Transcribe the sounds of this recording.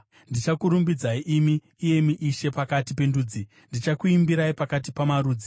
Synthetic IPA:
ndit͡ʃakuɾumbid͡zaiʔimiː | je̞miʔiʃe̞pakatipe̞nduːd͡zi | ndit͡ʃakuimbiɾaipakat̬ipamaɾuːd͡zi

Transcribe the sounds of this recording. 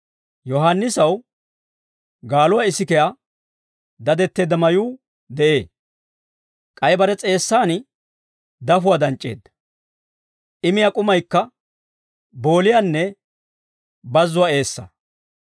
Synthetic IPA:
jɔɦanːɪsɐw | ɡaːlʊwaɪsɪkɛja | d̪ɐd̪ɛt̪ːe̞ːd̪ːɐmɐjuː | d̪ɛʔe̞ː | kʼɐjbɐɾɛt͡sʼe̞ːsːaːnɪ | d̪ɐfʊwaːd̪ɐnt͡ʃʼːḛːd̪ːɐ̥ | ʔɪmɪjakʼʊmɐjkːɐ | bo̞ːlɪjanːɛ | bɐzːʊwae̞ːsːɐ̰

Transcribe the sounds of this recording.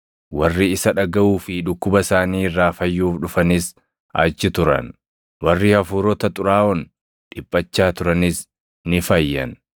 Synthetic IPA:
wɐrːiɪsɐᶑɐɡɐʔuːfɪᶑʊkːʊbɐsaːniːɪrːaːfɐjːuːfᶑʊfɐnɪs | ʔaːt͡ʃːɪt̪ʊɾɐ̰n | wɐrːiːhɐfuːɾɔt̪ɐt̪ʼʊɾaːʔɔn | ᶑɪpʼːɐt͡ʃːaːt̪ʊɾɐnɪs | nɪfɐjːɐ̰n

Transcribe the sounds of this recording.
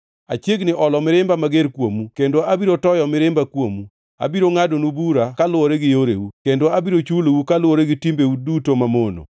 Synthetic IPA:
a̰t͡ʃjeɡnɪʔɔlɔmɪɾɪmbamaɡeɾkwomukendoabiɾotɔjɔmɪɾɪmbakwomu | a̰biɾoŋadonubuɾakalʊwoɾeɡɪjoɾḛwukendoabiɾot͡ʃulowukalʊwoɾeɡɪtimbewudutomamono̰

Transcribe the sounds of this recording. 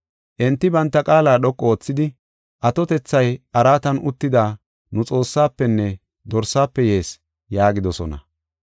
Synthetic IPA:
ʔɛnt̪ːɪbɐnt̪ːɐkʼaːlaːɗɔkʼːɔoːt͡sːɪd̪ɪ | ʔɐt̪ɔt̪ɛt͡sːɐjɐɾaːt̪ɐnʔʊt̪ːɪd̪aː | nʊt͡sʼo̞ːsːaːpːɛnːɛ | d̪ɔɾsːaːpːɛje̞ːs | jaːɡɪd̪ɔsɔ̰nɐ̰

